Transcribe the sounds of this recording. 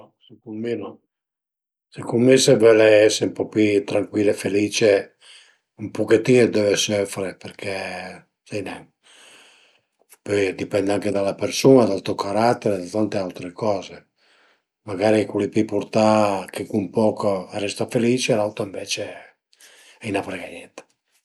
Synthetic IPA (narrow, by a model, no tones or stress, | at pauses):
ɔ | sekumenɔ | sekulmesevɛleɛseumpɔpit̪ɾaŋkwiːlːefeliːt͡ʃe | umpoket̪ːiːned̪ɛvesøfɾeperkʰe | sɛnɛ | pɔjd̪ipɛnd̪aŋked̪alːapersunad̪alt̪ukʰaɾat̪ːeɾed̪at̪ant̪ealt̪ɾekɔːze | maɡaːɾikulipipuɾt̪akʰekumpɔːkorɛst̪afeliːt͡ʃelawt̪oiɱvɛːt͡ʃe | ɛjnapɾeɡaɲɛt̪